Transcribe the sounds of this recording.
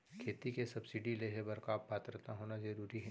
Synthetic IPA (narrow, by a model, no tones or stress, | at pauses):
kʰeːt̪ikesɐbsɪɖileɦebɐɾkaːppaːt̪ɾət̪ãɦoːnazɐɾuːɾiɦɛ̃